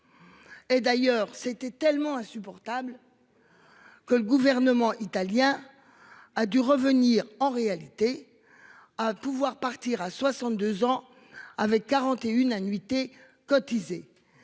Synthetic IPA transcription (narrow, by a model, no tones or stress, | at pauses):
ed̪ajœːʁsɛt̪ɛt̪ɛlmɑ̃ɛ̃sypɔʁt̪abl | kələɡuvɛʁnəmɑ̃ʔit̪aljɛ̃ | ad̪yʁəvəniʁɑ̃ʁealit̪e | apuvwaʁpaʁt̪iʁaswasɑ̃t̪̚d̪øzɑ̃ | avɛkːaʁɑ̃t̪eynanɥit̪e | kɔt̪ize